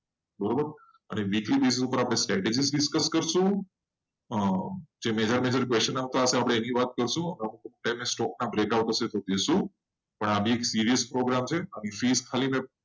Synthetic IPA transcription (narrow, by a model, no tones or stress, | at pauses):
bəɾobəɾ | ə̰neʋiklibes̬isupəɾapɽ̃esʈɾɛʈed͡ʒisɖɪskəskəɾʃũ | əd͡ʒemed͡ʒəɾmed͡ʒəɾkʋest͡ʃənaʋt̪aəseapɽ̃eːniʋat̪̚kəɾʃũəmamukomuʈajmesʈɔk̚nabɾekawʈ̪əʃet̪od̪eʃũ | pəɳabʱieksiɾijəspɾoɡɾamt͡ʃʰeənifiskʰalimẽ